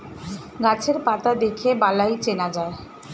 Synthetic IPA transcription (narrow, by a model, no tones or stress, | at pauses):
ɡat͡ɕʰeɾpat̪ad̪ekʰebalajt͡ɕenad͡ʑae